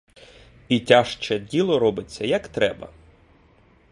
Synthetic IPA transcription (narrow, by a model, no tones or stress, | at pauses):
itʲaʃt͡ʃɛdʲilˠɔɾɔbɪt͡sʲːɐjɐkt̪ɾɛbɐ̰